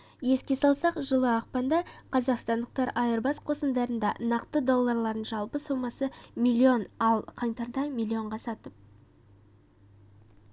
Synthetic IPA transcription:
je̞skʲe̞sɑlˠsɑqʒəlˠəɑq̚pɑnd̪ɑqʰɑzɑqst̪ɑnd̪əq̚t̪ɑɾɑjəɾbɑsqʰo̞sənd̪ɑɾənd̪ɑnɑqt̪əd̪o̞lˠːɑɾlˠɑɾənʒɑlˠpəsomɑsəmilʲˠio̞nɑlˠqʰɑɴt̪ɑɾd̪ɑmilˠio̞ɴʁɑsɑt̪əp̚

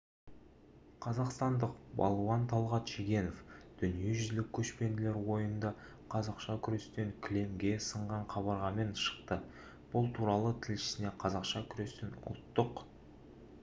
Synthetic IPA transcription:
qʰɑzɑqst̪ɑnd̪əqbɑ̰lˠwɑnt̪ʰɑlˠʁɑt̪ʒ̥eɡʲe̞no̞fd̪̥ʏnije̞ʒʏzlɪkʲʰːɵʃpe̞nd̪ɪle̞ɾwo̞jənd̪ɑ | qʰɑzɑqʃɑkʲʰʏɾe̞st̪e̞ŋkʲʰɪle̞mɡʲe̞səɴʁɑɴqʰɑβɑɾʁɑme̞nʃə̥qt̪ə | b̥ʊlˠt̪ʰuɾɑlˠət̪ʰɪlʃɪ̥sɪne̞qʰɑzɑqʃɑkʲʰʏɾe̞st̪enʊ̰lt̪ːəq

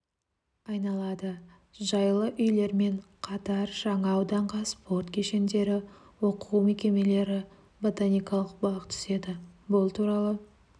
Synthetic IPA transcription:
ɑjnɑlˠɑd̪ə | ʒɑjlˠəʔʏjle̞ɾme̞ɴ | qʰɑt̪ɑɾʒ̥ɑɴɑːwd̪ɑɴqɑspʰo̞ɾt̪kʲʰeʃe̞nd̪e̞ɾɪwo̞quwmekʲe̞me̞le̞ɾɪ | bo̞t̪anʲijkɑlˠəq̚bɑqt̪ʰʏ̥se̞d̪ɪbʊlˠt̪ʰuɾɑlˠə

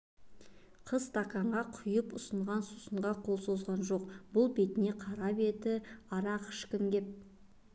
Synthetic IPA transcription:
qʰəzt̪ʰɑkɑɴʁɑqʰʊjəpʊsəɴʁɑnsu̥səɴʁɑqʰolˠsozʁɑnʒo̞q̚bʊlˠbe̞t̪ɪne̞qʰɑɾɑpe̞t̪ɪɑɾɑqɪ̥ʃkʲɪmɡʲep̚

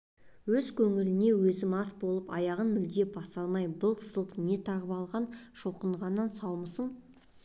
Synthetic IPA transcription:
wɵzkʲʰɵŋɪlɪne̞wɵzɪmɑsbo̞lˠəpɑ̰jɑʁənmʏld̪e̞bɑsɑlˠmɑjbəlˠt̪ʰzlˠəqne̞t̪ʰɑʁəpɑlˠʁɑnʃoqəɴʁɑnːɑnsɑwməsəɴ

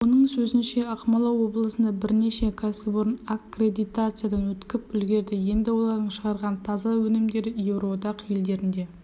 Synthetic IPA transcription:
wo̞nəɴsɵzɪnʃe̞ɑqmɑlˠɑwo̞blˠəsənd̪ɑbɪɾne̞ʃe̞kʰæsɪboɾənakre̞d̪ijt̪at̪sɨjad̪ɑnwɵt̪kʲɪpʏlɡʲe̞ɾd̪ɪje̞nd̪ɪwo̞lˠɑɾd̪əɴʃəʁɑɾʁɑnt̪ʰɑzɑwɵnɪmd̪e̞ɾɪje̞wɾod̪ɑqje̞ld̪e̞ɾɪnd̪e̞

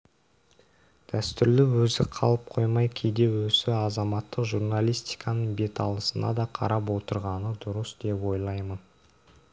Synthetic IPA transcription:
d̪̥æst̪ʏɾlɪwɵzɪqʰɑ̰lˠəp̚qʰo̞jmɑjkʲʰejd̪e̞wɵsɪɑzɑmɑt̪ːəqʒuɾnalʲijst̪i̥jkʰɑnəɴbe̞t̪ʰɑ̰lˠəsənɑ̰d̪ɑqʰɑ̰ɾɑpwo̞t̪əɾʁɑnəd̪ʊɾəsd̪e̞pwo̞jlˠɑjmən

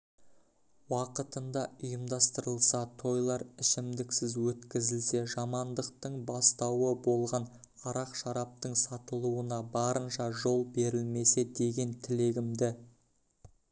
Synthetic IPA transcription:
wɑqət̪ənd̪ɑʊjəmd̪ɑst̪əɾəlˠsɑt̪ʰo̞jlˠɑɾɪʃɪmd̪ɪksɪzwɵt̪kʲɪzɪlse̞ʒɑmɑnd̪əq̚t̪əɴbɑst̪ɑwəbo̞lˠʁɑn | ɑɾɑqʃɑɾɑp̚t̪əɴsɑt̪əlˠuənɑbɑɾənʃɑʒo̞lˠbe̞ɾɪlme̞se̞d̪e̞ɡʲe̞nt̪ʰɪle̞ɡʲɪmd̪ɪ

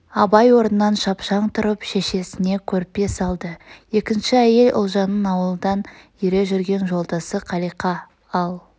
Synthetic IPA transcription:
ɑbɑjwo̞ɾnənːɑnʃɑpʃɑɴt̪ʰʊɾəpʃe̞ʃe̞sɪne̞kʲʰɵɾɪpːe̞sɑlˠd̪əje̞kʲɪnʃɪæje̞lʔʊ̰lˠʒɑnːənɑwəlˠəd̪ɑnjiɾe̞ʒʏɾɡʲe̞nʒo̞lˠd̪ɑsəqʰɑlijqɑ | ɑlˠ

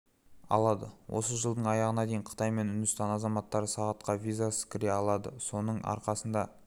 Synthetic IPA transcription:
ɑ̰lˠɑd̪ə̰wʔo̞̰səʒəlˠd̪əɴɑjɑʁənɑd̪e̞jɪɴqʰə̥t̪ɑjme̞nʊnd̪ʊst̪ɑnɑzɑmɑt̪ːɑɾəsɑʁɑt̪̚qɑvʲijzasə̥kʲɪɾeɑlˠɑd̪ə̰so̞nəɴɑ̰ɾqɑsənd̪ɑ

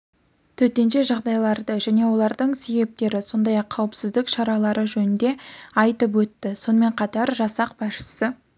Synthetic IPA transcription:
t̪ʰɵt̪e̞nʃe̞ʒɑʁd̪ɑjlˠɑɾd̪əʒæne̞wo̞lˠɑɾd̪əɴse̞be̞p̚t̪e̞ɾɪso̞nd̪ɑjɑqʰːɑwəpsɪzd̪ɪkʃɑɾɑlˠɑɾʔəʒɵnɪnd̪e̞ɑjt̪əp̬wɵt̪ːɪso̞nəme̞ɴqʰɑt̪ɑɾʒɑsɑq̚bɑsʃə̥sə

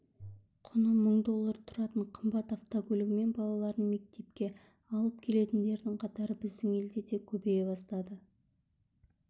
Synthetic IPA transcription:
qʰʊnəməɴd̪o̞lˠːəɾt̪ʰʊɾɑt̪əɴqʰəmbɑt̪aft̪okʲɵlʲɪɡʲɪme̞nbɑlˠɑlˠɑɾd̪ənme̞k̚t̪e̞p̚kʲe̞ | ɑlˠəp̚kʲʰe̞le̞t̪ɪnd̪e̞ɾd̪ɪŋqʰɑt̪ɑɾəbɪzd̪ɪŋe̞ld̪ed̪e̞kʲʰɵbejebɑst̪ɑd̪ə

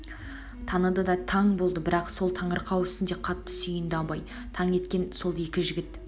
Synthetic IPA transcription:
t̪ʰɑnəd̪əd̪ɑt̪ʰɑɴbo̞lˠd̪əbɪɾɑqso̞lˠt̪ʰɑɴəɾqʰɑwʏst̪ɪnd̪e̞qʰɑt̪ːə̥sijɪnd̪ɪɑbɑj | t̪ʰɑŋe̞t̪kʲe̞nso̞lˠje̞kʲɪʒɪɡʲɪt̪

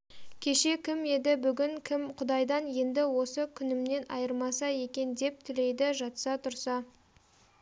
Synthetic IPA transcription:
kʲʰe̞ʃe̞kʲʰɪme̞d̪ɪbʏɡʲɪŋkʲʰɪmqʰʊd̪ɑjd̪ɑnje̞nd̪ɪwo̞səkʲʰʏnɪmne̞nɑ̰jəɾmɑsɑje̞kʲe̞nd̪e̞p̚t̪ʰɪle̞jd̪ɪʒɑt̪sɑt̪ʰʊɾsɑ

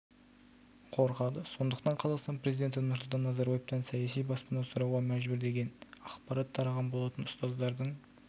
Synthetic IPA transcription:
qʰo̞ɾqɑd̪əso̞nd̪əqt̪ɑɴqʰɑzɑqst̪ɑnpʰɾezijd̪e̞nt̪ɪnʊɾsʊlˠt̪ɑnːɑzɑɾbɑjeft̪ɑnsɑjɑsijbɑspənɑsʊɾɑwʁɑmæʒbʏɾd̪e̞ɡʲe̞nɑqpɑɾɑt̪ʰːɑɾɑʁɑnbolˠɑt̪ənʊst̪ɑzd̪ɑɾd̪əɴ

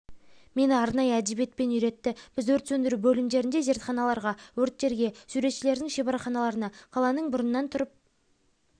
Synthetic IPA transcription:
me̞nɪɑɾnɑjəæd̪ebje̞t̪̚pe̞nʏjɾe̞t̪ːɪb̥ɪzwɵɾt̪sɵnd̪ɪɾubɵlɪmd̪e̞ɾɪnd̪e̞ʒe̞ɾt̪χɑnɑlˠɑɾʁɑwɵɾt̪̚ːe̞ɾɡʲe̞suɾe̞t̪ʃɪle̞ɾd̪ɪŋʃe̞bɑɾɑχɑnɑlˠɑɾənɑqʰɑlˠɑnəɴbʊɾənːɑnt̪ʰʊɾəp̚

